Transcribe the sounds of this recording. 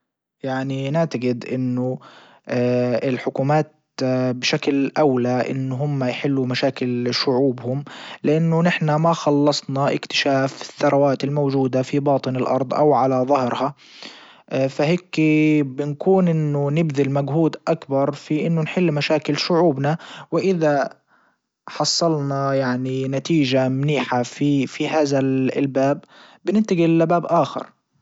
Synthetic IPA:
jaʕninɪʕt̪aɡɪd̪ʔɪnːʊ | ɪlħʊkuːmaːt̪̚ | bɪʃaklʔawlaʔɪ̰nːɦʊmːajħɪlːumaʃaːkɪlʃʊʕuːbhʊmlɪʔanːʊnɪħnamaxɑlːɑsˤnɑʔɪ̰kt̪ɪ̥ʃaːfɪθːɑɾˤɑwaːt̪ɪlmowd͡ʒuːd̪afibɑːt̪ˤɨnɪlʔɑ̰ɾˤd̪ˤʔa̰wʕalaðˤɑhɾha | faɦeːkbɪnkuːnʔɪnːʊnɪbðɪlmaɡhuːd̪ʔakbɑɾˤfiʔɪnːʊnħɪlːmaʃaːkɪlʃʊʕuːbnawɪʔɪða | ħɑsˤːɑlnɑjaʕninat̪iːʒamniːħafifihaːðalbaːbː | ɪnɪnt̪ɪɡilːabaːbʔaːxɪ̰ɾˤ

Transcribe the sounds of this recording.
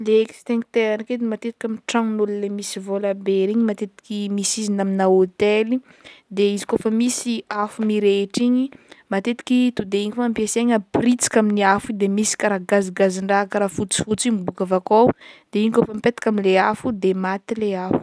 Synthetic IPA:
lekst̪eŋt̪eɾanaked̪emat̪et̪i̥kʲaminʈ͡ʂaŋnululemisivolabeɾiɲimat̪et̪i̥kimisizinaminaot̪elid̪eizi̥kofəmisiafumiɾeʈ͡ʂiɲimat̪et̪i̥kʲit̪ud̪eiɲifaːmpiaseɲəprit͡si̥kaminiafud̪emisi̥kaɾaɡaziɡaziɳɖ͡ʐakəɾaːfut͡si̥fut͡simibukavakawd̪̥eiɲikofəmipet̪ḁkʲaminleafud̪emat̪ileafu̥

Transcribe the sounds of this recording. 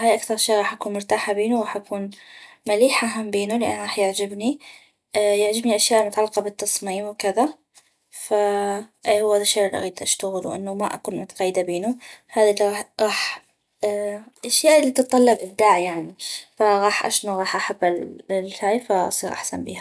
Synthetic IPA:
hajʔakθɑɾˤʃeːʔɣɑːħʔakuːnmʊɾt̪aːħabeːnuwɣɑːħʔakuːnmaliːħʔaɦambeːnulɪʔa̰nːɣˤɑːħjɪʕd͡ʒɪbni | jɪʕd͡ʒɪbniʔaʃjaːʔlmʊt̪aʕalːɪqɑbɪt̪ːɑsˤmiːmwkɪða | fa | hʊwːaðaʃaʔlʔa̰ɣiːd̪ʔaʃt̪aɣɪlwʔɪ̰nːumaʔa̰kuːnmʊt̪ḁɣajːɪd̪abeːnuhaːðilːiɣɑːɣɑːħ | ʔaʃjaːʔlːit̪ɨt̪ˤːɑlːɑbʔɪb̚d̪aːʕjaʕnifaɣɑːħʔa̰ʃnuɣɑːħʔaħabːɪllhaːjfaʔɑ̰sˤiːɾʔa̰ħsanbḭːha

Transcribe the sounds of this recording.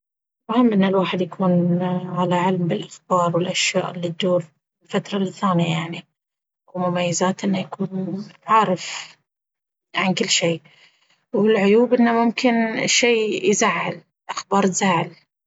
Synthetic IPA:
wahɪmːʔɪnːalwaːħɪd̪jakʰuːnʕalaʕɪlmbɪlʔaxbɑːɾˤwɪlʔaʃja̰ːʔlɪd̪ːuːɾ | ɪlfat̪ɾˤɑlθaːnijajaʕni | wmʊmajːazaːt̪ʔɪnːajakuːnʕaːɾˤɪf | ʕankɪlːʃiː | wɪlʕʊjuːbʔɪnːamʊmkʰɪnʃiːjzaʕːal | ʔaxbɑːɾˤt̪zaʕɪl

